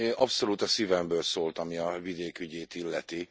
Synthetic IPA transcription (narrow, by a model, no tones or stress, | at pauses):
ʔɒpso̞luːt̪ɒsivɛmbøːlsoːlt̪ɒmiɒvid̪eːkyɟeːt̪ilːɛt̪i